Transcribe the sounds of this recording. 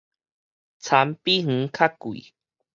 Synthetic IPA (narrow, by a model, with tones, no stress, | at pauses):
t͡sʰa˨˦mpi˦ŋ̥̩˨˦kʰa˦ku˨ḭ˨